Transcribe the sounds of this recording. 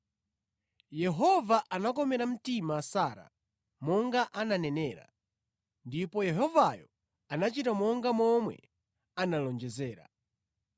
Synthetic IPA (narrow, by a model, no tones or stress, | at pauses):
jɛɦɔvaʔanakɔmɛɾam̩timasaːɾa̰ | mɔŋɡaʔananɛnɛːɾa̰ | ndipɔjɛɦɔvajɔ | anat͡ʃitamɔŋɡamɔmwɛ̰ | analɔnd͡ʒɛzɛːɾa̰